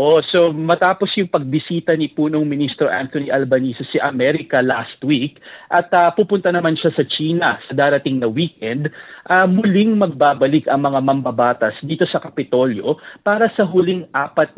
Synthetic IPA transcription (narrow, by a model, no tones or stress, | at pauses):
ʔoso̞mɐt̪aːpo̞sjʊŋpɐɡ̚bɪsiːt̪ɐnipuːnoŋmɪnist̪ɾo̞ʔa̰nt̪oniʔɐlbɐniːsɛsiʔɐmɛɾɪkɐlast̪wikʔɐt̪ɐpuːpʊnt̪ɐnɐmanʃasɐt͡ʃiːnɐsɐd̪aːɾɐt̪ɪŋnɐwiːkʔɛnd̪ʔɐmʊlɪŋmɐɡ̚baːbɐlɪkɐŋmɐŋamɐmbɐbaːt̪ɐsd̪iːt̪o̞sɐkɐpɪt̪o̞ljo̞̰paːɾɐsɐɦʊliŋʔaːpɐt̪̚